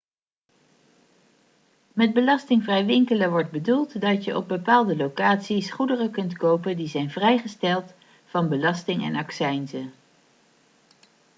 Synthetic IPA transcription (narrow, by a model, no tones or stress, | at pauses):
mɛd̚bəlɑstɪŋvrɛjʋɪŋkələʋɔɹd̚bədulˠtdɑtjəʔɔ̰b̚bəpaːlˠdəlowkaːtsisχudərəkɵntkowpəndizɛjnvrɛjχəstɛlˠt | fɑnbəlɑstɪŋɛ̰nɑksɛjnzə